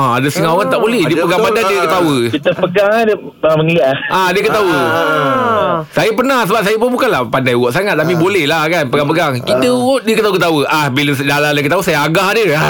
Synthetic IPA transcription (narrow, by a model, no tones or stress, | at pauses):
aadəsəŋaʔoɣant̪aʔbolɛhdiəpəɡaŋpadadiəkət̪awəit̪əspəɡaŋadə | əaməŋlaʔahʔadiəkət̪au | sajəpərnahsəbap̚sajəp̬ʊnbukanlahpandajwɔʔsaŋat̪̚t̪ːap̬ibolɛhlahkanpəɡaŋpəɡaŋkidəwoʔdiəkət̪aukət̪awəʔahbiləsdalalakət̪ausajaaɡahadəa